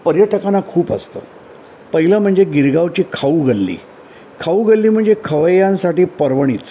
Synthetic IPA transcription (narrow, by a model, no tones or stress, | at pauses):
pəɾjəʈəkanːakʰuːpə̰st̪ə̰ː | pəɦiləm̤əɳd͡zeɡiɾɡaʋt͡ɕiːkʰauɡəlːḭː | kʰauːɡəlːiːm̤əɳd͡zekʰəʋəjãnsaʈiːpəɾʋəɽ̃it͡s